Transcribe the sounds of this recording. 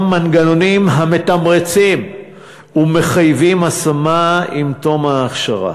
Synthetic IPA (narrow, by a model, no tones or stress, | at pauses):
manɡanonimɦame̞tamʁet͡sim | ume̞χajvimasamaimt̪o̞maːχʃaʁa̰